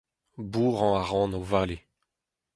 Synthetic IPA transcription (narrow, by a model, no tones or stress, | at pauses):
buːʁɑ̃aʁɑ̃ːnovaːle